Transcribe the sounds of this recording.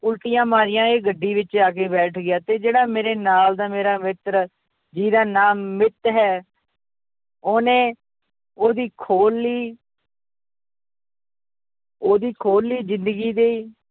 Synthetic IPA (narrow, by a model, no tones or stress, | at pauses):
ʊlʈɪjãːmaːɾɪjãːeːɡəɖːiːʋɪt͡ʃaːkeːbɛːʈʰɡɪjaːt̪eːd͡ʒeːɽaːmeːɾeːnaːld̪aːmeːɾaːmɪt̪ɾ | d͡ʒiːd̪aːnaːmːɪt̪ɦɛː | oːnẽː | oːd̪iːkʰoːlːiː | oːd̪iːkʰoːlːiːzɪnd̪əɡiːd̪eːiː